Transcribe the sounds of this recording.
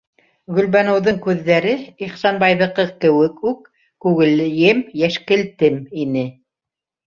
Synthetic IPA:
ɡɵ̆lβænɤ̆wðɤŋkʉðːæɾɘiχsɑnbɑjðɤ̆qɤkɘ̆wɘkʉkː | ʉɣɘ̆ljɘmjæʃkɘ̆lt̪ɘminɘ

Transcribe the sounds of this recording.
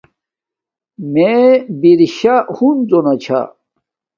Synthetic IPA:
mebiɾiɕahund͡zonɐt͡ɕʰa̰

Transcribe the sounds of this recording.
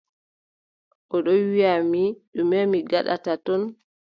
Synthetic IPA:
ʔɔɗɔwijamiɗumɛmiɡaɗa̰tatɔn

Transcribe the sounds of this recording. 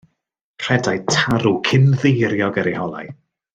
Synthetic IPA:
r̥ɛdajtʰaɾukʰɪmðejɾjɔɡəɾihɔlˠa̰j

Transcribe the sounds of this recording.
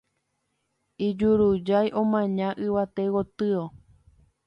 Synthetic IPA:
id͡ʒuɾud͡ʒajʔõmãɲãʔɨʋat̪ewot̪ɨo

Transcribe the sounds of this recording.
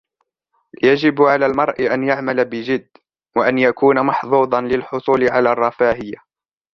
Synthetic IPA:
jad͡ʒɪbʕalaːlmɑɾˤʔɪʔanjaʕmalabɪd͡ʒɪd̪ː | waʔanjakuːnamɑħðˤuːd̪ˤɑnlɪlħʊsˤuːlɪʕalaːrˤːɑfaːhɪjːa

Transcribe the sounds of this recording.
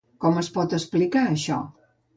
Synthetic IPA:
kɔməspɔt̪əsplikaəʃɔ̰

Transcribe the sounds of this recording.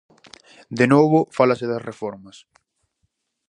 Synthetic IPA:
d̪enoβʊfalɐseðɐsrefɔɾmɐs

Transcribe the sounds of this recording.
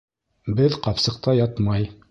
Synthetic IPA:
bɘðqɑpsɤ̆q̚t̪ɑjɑt̪mɑj

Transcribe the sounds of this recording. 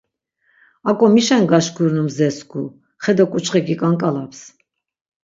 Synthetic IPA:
akʼɔmiʃɛnɡaʃkʰuɾnumzɛsɡu | χɛd̪ɔkʼut͡ʃʰʼχɛkikʼaŋkʼalaps

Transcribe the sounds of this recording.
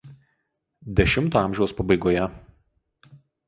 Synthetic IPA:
d̪ʲɛʃʲɪmt̪oːɑˑmʲʒʲɛʊspɐbɐɪɡoːjɛ

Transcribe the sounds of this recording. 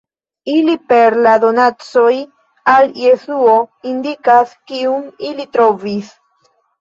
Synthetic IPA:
ilipeɾlad̪o̞nat͡so̞j | aljesuo̞ind̪ikaskiumilit̪ɾovis

